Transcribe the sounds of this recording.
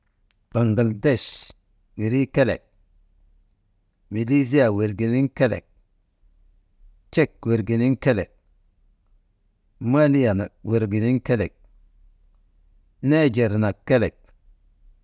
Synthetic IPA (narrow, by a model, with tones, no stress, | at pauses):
b̥a˨ŋla˨ldɛ˦˨ʃ | wi˨ɾi˦kɛ˦lɛ̰˨k̚ | mi˨li˦zi˦a˨we˨ɾɡi˨ni˦ŋkɛ˦lɛ̰˨k̚ | t͡ʃɛ˦˨k̚we˨ɾɡi˨ni˦ŋkɛ˦lɛ̰˨k̚ | ma˦li˦ja˨na˨k̚we˨ɾɡi˨ni˦ŋkɛ˦lɛ˨k̚ | ne˦d͡ʒe˨ɾna˨kːɛ˦lɛ˨k̚